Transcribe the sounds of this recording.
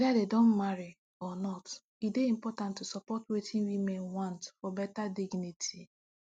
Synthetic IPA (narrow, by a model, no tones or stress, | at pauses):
wɛðadedõnmaɹi | ɔnɔt | ideĩmpɔtãntːusɔpɔtwetʰĩnwimɛ̃nwãntfɔbɛtadiɡnitʰi